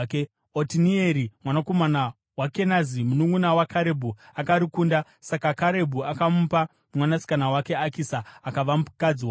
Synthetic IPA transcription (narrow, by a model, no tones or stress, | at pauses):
otinieɾimwanako̞mana | wake̞nazimunuŋɡunawakaɾe̞bʱuakaɾikuːnda | sakakaɾe̞bʱuakamupa | mwanasi̥kanawake̞akisaːkaʋamukad͡ziwa